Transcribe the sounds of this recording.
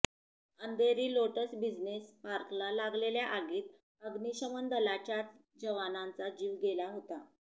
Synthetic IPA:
ənd̪eɾiːloʈəsbid͡znespaɾklalaɡleljaʔaɡiːt̪̚ | əɡniɕəmənd̪əlat͡ɕjat͡s | d͡ʑəʋanãnt͡sad͡ʑiːʋɡelaɦot̪a

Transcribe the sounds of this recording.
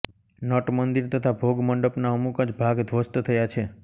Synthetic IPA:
nɔʈmənd̪iɾt̪ət̪ʰabʱoɡməɳɖəpnaəmukəd͡ʒbʱaɡd̪ʋəst̪t̪ʰəjat͡ʃʰe

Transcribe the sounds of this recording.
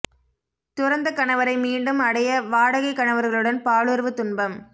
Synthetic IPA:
t̪ʊɾɐnd̪ɐkːɐɳɐʋɐɾɐɪmiːɳɖɯmɐɽɐjɐʋaːɽɐɣɐɪkːɐɳɐʋɐɾɣɐɭɯɽɐnpaːɭɯɾʋɯt̪ʊnbɐm

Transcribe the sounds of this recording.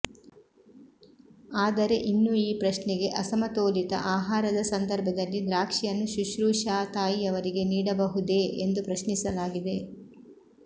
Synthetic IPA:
aːd̪ɐɾe̞ʔinːuiːpɾɐʃnɛɡe̞ʔɐsɐmɐt̪oːlit̪ɐ̰ʔaːɦaːɾɐd̪ɐsɐnd̪ɐɾbʱɐd̪ɐlːid̪ɾaːkʂijɐnːuʃuʃɾuːʃaːt̪aːjiɐʋɐɾiɡe̞niːɽɐbɐɦud̪e̞ʔend̪upɾɐʃnisɐlaːɡid̪e̞

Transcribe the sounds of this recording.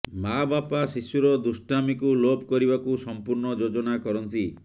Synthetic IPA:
mabapasisuɾɔd̪usʈamikulopkɔɾibakusɔmpuɾnɔd͡ʒod͡ʒɔnakɔɾɔnt̪i

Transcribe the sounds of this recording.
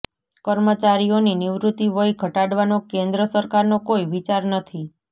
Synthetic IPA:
kəɾmət͡ʃaɾioninɪʋɾut̪iʋəjɡʱəʈaɽʋanokẽnd̪ɾəsəɾkaɾnokoiʋit͡ʃaɾnət̪ʰi

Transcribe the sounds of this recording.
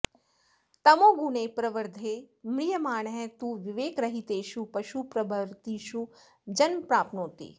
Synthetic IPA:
t̪ɐmoːɡunepɾɐʋəɾd̪ʱeːmɭijəmaːɳɦɛ̃t̪uːʋɪʋeːkɾɐɦit̪eːʃupɐʃupɾɐbʱəɾt̪iʃu | d͡ʒɐnmpɾaːpnoːt̪ḛː

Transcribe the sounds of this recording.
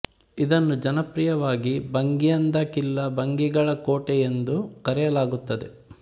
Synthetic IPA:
id̪ɐnːud͡ʒɐnɐpɾijɐʋaːɡibɐŋɡijɐnd̪ɐkilːɐbɐŋɡiɡɐɭɐkoːʈɛjend̪ukɐɾɛjɐlaːɡut̪ːɐd̪e

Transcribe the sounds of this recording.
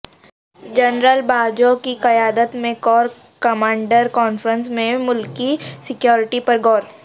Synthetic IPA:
d͡ʒɐnɾəlbʱaːd͡ʒokikɐjaːd̪ət̪mẽkɔːɾ | kɐmãːɳɖəɾkɔːnfɾə̃nsmẽmʊlkisɪkjoːɾɪʈipɐɾɡɔːɾ

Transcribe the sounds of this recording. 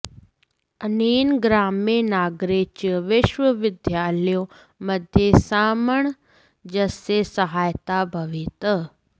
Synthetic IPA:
əniːnɡɾaːmenaːɡɾet͡ʃʋɪʃʋəʋɪd̪ʱjaːljo | mɐd̪ʱjesaːməɳ̃ | d͡ʒɐsesɐɦaːjt̪abʱɐʋiːt̪ə

